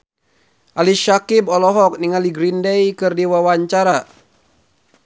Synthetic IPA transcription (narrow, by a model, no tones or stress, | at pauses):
ʔaliʃakibɔlɔɦɔk̚niŋaliɡɾindejkɨrdiwawaɲt͡ʃaɾa